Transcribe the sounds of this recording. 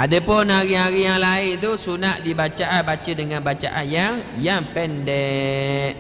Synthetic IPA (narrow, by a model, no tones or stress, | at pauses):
ʔadəpʊnaɾiaɾijaŋlaɪnt̪usunaʔdibat͡ʃaʔabat͡ʃədəŋanbat͡ʃa̰ʔanjaŋjaŋpɛndɛʔ